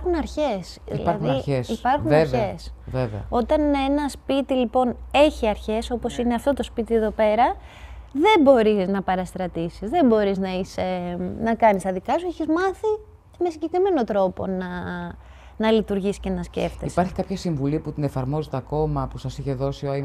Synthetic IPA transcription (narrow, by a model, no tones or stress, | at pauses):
xunɐɾçe̞sðḭlɐɾɐðunɐɾçesipɐɾxunveɐvesveveɐ̰o̞t̪ɐne̞nɐspit̪ilipo̞ne̞çiɐɾçe̞so̞po̞sineɐft̪o̞t̪o̞spit̪ieðo̞pe̞ɾɐ | ðe̞mbo̞ɾiznɐpɐɾɐst̪ɾɐt̪isizðe̞mbo̞ɾiznɐisenɐkɐnist̪ɐðikɐsueçizmɐθi | me̞siɲɟe̞kɾime̞no̞t̪ɾo̞po̞̰nɐ | nɐlit̪uɾʝisce̞nɐsce̞̰ft̪eispɐɾçi̥kɐapçɐsiɱvuliput̪ine̞fɐɾmo̞zet̪eɐko̞mɐpusɐsiçe̞ðo̞sio